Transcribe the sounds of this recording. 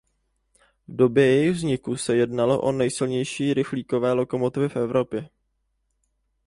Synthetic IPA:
vdo̞bjɛjɛjɪɣvzɲɪkusɛjɛdnalo̞̰ʔo̞nɛjsɪlɲɛjʃiːɾɪxliːko̞vɛːlo̞ko̞mo̞t̪ɪvɪfʔɛvɾo̞pjɛ

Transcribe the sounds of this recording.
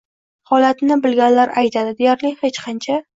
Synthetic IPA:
hɒlat̪nɪbɪlɡʲanlaɾajt̪ʰad̪ɪd̪ejaɾlɪhet͡ʃqʰɑnt͡ʃʰa

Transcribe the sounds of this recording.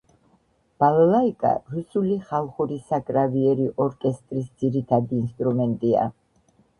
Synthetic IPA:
b̥alalaikʼa̰ɾusuliχalˠχuɾisakʼɾaviɛɾiʔɔɾkʼɛst̪ʼɾisd̪ziɾit̪ʰad̪iːnst̪ʼɾumɛnt̪ʼia̰

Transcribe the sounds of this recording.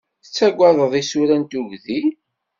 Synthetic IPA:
θə̥t͡sːæɡʷːaðˤəðˤisuɾænt̪uʝði

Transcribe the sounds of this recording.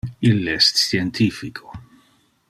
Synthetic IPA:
ilɛst̪θjɛnt̪ʰifikʰo

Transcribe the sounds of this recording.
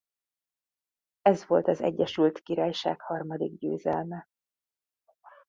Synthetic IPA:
ɛzʋo̞lt̪ɒzɛ̰ɟːɛʃylt̪kiɾaːjʃa̰ːkhɒrmɒd̪iɡɟø̰ːzɛlmɛ

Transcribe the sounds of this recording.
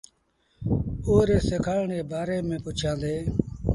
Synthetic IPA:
oːɾeːsekʰaːɭɳeːbaːɾeːmẽːpʊt͡ʃʰãːd̪eː

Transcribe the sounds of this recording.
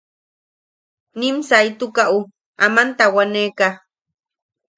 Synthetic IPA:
nimsajt̪ukaʔu | amant̪awaneka

